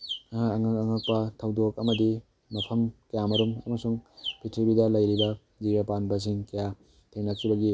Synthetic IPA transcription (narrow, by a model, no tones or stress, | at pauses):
aŋakɐŋak̚pɐtʰɐwdok̚ɐmɐdi | mɐpʰɐmkɐjamɐɾumɐmɐsuŋpʰitʰibidɐlɐjɾibɐ | ziɾapanbɐs̬iŋkɐja | tʰenak̚t͡ʃuɾɐɡi